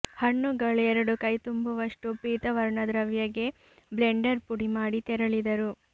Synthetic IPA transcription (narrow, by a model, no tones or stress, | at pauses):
hɐɳːuɡɐɭɛɾɐɽukɐjt̪umbuʋɐʂʈupiːt̪ɐʋɐɾɳɐd̪ɾɐʋjɐɡe̞ | bleɳɖɐɾpuɽimaːɽit̪ɛɾɐɭid̪ɐɾu